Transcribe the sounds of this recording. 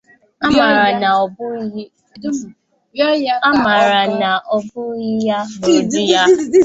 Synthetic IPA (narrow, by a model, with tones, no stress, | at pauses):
a˦ma˨ɾa˨na˨ɔ˨bʊ˦˨˦ | a˦ma˨ɾa˨na˨ʔɔ˨bʊ˦ɣi˦ja˦bo˨di˦ja˦